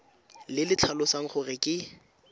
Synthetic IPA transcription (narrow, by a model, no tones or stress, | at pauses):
lɪlɪt͡ɬʰalʊsaŋ̩χʊrɪkʼɪ